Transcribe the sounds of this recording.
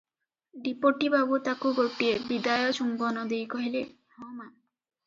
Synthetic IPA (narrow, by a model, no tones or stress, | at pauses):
ɖipoʈibabut̪akuɡoʈiebid̪ajɔt͡ʃumbɔnɔd̪ejkɔɦile | hɔma